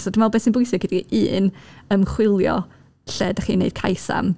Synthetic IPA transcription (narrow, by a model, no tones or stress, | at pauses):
sɔdɪmalˠbɛsɪnbʊjsɪɡədiiʔɨːnəmχwɪlˠjɔ̰ | ɬɛdaχiːnːḛɨd̥̚kʰa̰jsa̰m